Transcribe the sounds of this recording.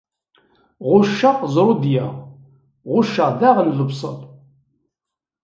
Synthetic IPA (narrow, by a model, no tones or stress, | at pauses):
ʁʊʃːaqzˤɾˤʊd̪jæʁ | ʁʊʃaʁðæʁənləbsˤə̰l